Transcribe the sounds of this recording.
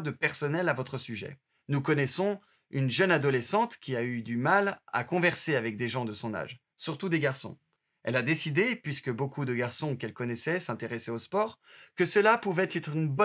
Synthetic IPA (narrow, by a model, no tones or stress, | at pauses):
d̪əpɛʁsɔnɛlavɔt̪χəsyʒɛ̰ | nukɔnɛsɔ̃ | ynʒənad̪ɔlɛsɑ̃t̪kʲiayd̪ymala̰kɔ̃vɛʁseavɛk̚d̪eʒɑ̃d̪əsɔ̃na̰ʒ | syʁt̪ud̪eɡaʁsɔ̰̃ | ɛlad̪esid̪epɥiskəbokud̪əɡaʁsɔ̃kɛlkɔnɛsɛsɛ̃t̪eʁɛsɛospɔʁkəsəlapuvɛt̪ɛt̪χynbɔ